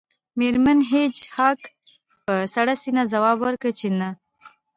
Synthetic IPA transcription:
meɾmanɦet͡ʃhɑk | pəsaɽasinazawɑbwəɾkət͡ʃena

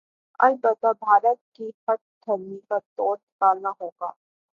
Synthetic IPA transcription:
ɐ̰lbət̪abʱaːɾət̪̚kixɐʈ̚d̪ʰɐɾnikat̪ɔːɾnɪkaːlnaɦoːɡa̰ː

